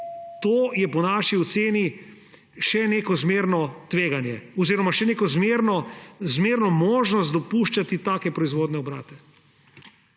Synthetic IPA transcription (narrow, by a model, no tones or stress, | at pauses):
t̪oːjɛpɔnaːʃiɔt̪seːni | ʃɛneːkɔzmeːɾnɔt̪ʋeːɡanjɛɔziːɾɔmaʃɛneːkɔzmeɾnɔzmeːɾnɔmoːʒnɔs̬t̪d̪ɔpuːʃt͡ʃat̪it̪aːkɛpɾɔizʋoːd̪nɛɔbɾa̰ːt̪ɛ